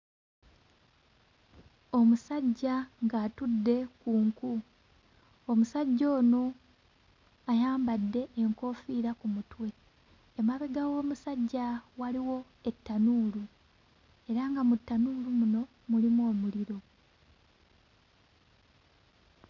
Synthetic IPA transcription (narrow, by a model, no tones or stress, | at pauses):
o̞musaɟːaŋɡaːtudːe̞kuːŋku | omusaɟːo̞ːno̞ | ajaːmbadːe̞ʔːŋko̞ːfiɾakumutwe̞ː | maβeɡawo̞ːmusaɟːawaliwo̞ | e̞tːanuːlu | e̞ɾaŋɡamutːanuːlumuno̞ | mulimuo̞ːmuliɾo̞